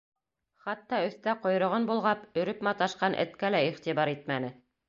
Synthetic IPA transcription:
χɑt̪ːɑɵ̆θt̪æqŏjɾŏʁɤnbulˠʁɑpɵ̆ɾɵpmɑt̪ɑʃqɑnʔɘ̰̆t̪kælæiχt̪iβɑɾit̪mænɘ

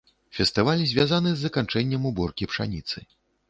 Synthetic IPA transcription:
fʲɛst̪ɨvalʲzʲvʲazanɨzːɐkant͡ʂɛnʲːɛmubɔrkʲipʂa̰nʲit̪sɨ

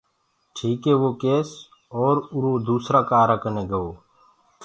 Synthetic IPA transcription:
ʈʰiːkɦeːʋoːkeːs | ɔːɾʊɾoːd̪uːsɾaːkaːɾəkəneːɡəoː

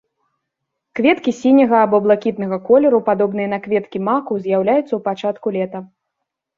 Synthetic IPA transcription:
kvʲɛt̪kʲisʲinʲɐɣɐːbɔblˠakʲit̪̚nɐɣɐkɔlʲɛɾupad̪ɔbnɨjɐnɐkvʲɛt̪kʲimakuzʲjawlʲajut̪sɐwpat͡ʂat̪kulʲɛt̪ɐ

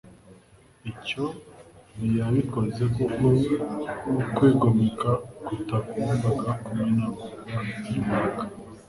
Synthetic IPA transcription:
iconijaβiko̞zekukoɾinukwiːɡomikakutakuːmbaɡakumwenaβo | aiimakḁ

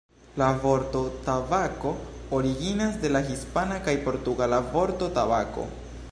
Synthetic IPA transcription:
lavo̞ɾto̞tabako̞ːɾiɡinasde̞laɦispanakajpo̞ɾtuɡalavo̞ɾto̞tabako̞̰

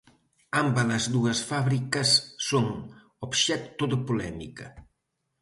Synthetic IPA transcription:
ambələzðuəsfaβɾikəsːoŋ | opʃɛk̚t̪oðəpulɛmikə

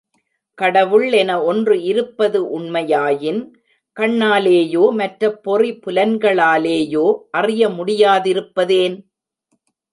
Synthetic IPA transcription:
kɐɽɐʋɯɭɛnɐɔndrɯɪɾɯpːɐðɯʔʊɳmɐjaːjɪn | kɐɳːaːleːjoːmɐʈrɐpːɔripʊlɐnɡɐɭaːleːjoːʔɐrɪjɐmʊɽɪjaːðɪɾɯpːɐðeːn

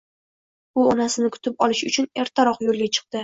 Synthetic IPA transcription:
ʊɒnasɪnɪkʰʊ̥t̪ʰɪpɒlɪʃʊt͡ʃʰʊne̞ɾt̪ʰaɾɒqjolɡʲat͡ʃʰɨ̥q̚d̪̥ɪ

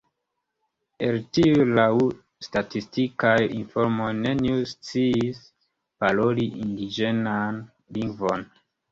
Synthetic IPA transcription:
peltiulawu | statistikajinfoɾmojne̞niust͡siːs | paloliʔindid͡ʒenan | liŋɡvo̞n

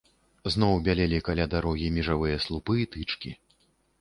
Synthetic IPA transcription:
znɔwbʲalʲɛlʲikalʲad̪aɾɔɣʲimʲiʐavɨjɐslˠupɨit̪ɨt͡ʂkʲi

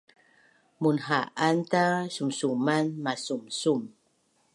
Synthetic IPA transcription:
munɦaʔantasumsumanmasumsum

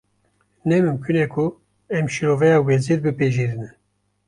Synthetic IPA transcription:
nɛmɨmkʰynɛkʰu | ɛmʃiɾovɛjɑːwɛziɾbɨpeʒiɾɨnɛ

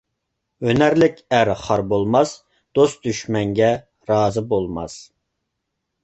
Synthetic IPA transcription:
ønæɾlɪkʲæɾχɑɾbolˠmɑs | d̪̥ost̪d̪yʃmɛŋɡʲɛ | ɾɑːzɨbolˠmɑ̰s

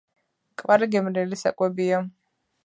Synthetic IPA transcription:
kʼvaɾiɡɛmɾɛlisa̰kʼwɛbia

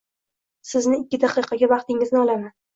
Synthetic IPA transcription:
sɪznɪɪkʲːɪd̪ɑqɨqʰɑɡʲavɑqt̪ʰɪŋɪznɪɒlˠaman

